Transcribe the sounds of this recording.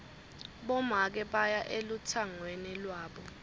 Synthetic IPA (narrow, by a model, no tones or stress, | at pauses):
ɓɔmak̬ɛɓajaʔelutʰaŋwenilwaːɓɔ